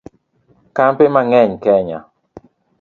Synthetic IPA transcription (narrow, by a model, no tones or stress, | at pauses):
kampemaŋɛɲkɛɲa̰